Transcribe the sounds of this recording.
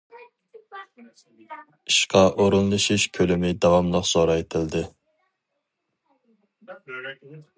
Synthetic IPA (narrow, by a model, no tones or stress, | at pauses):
iʃqɑʔoɾunlˠɨʃiʃkʲʰølɪmɪd̪ɑwɑmlˠəqz̥oɾɑet̪ʰɪld̪ɪ